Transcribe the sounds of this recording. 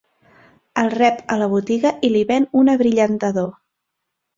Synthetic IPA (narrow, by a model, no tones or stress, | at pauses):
əlˠrɛpələβ̞ut̪iɣəʔiliβɛnunəβɾiʎənt̪əðo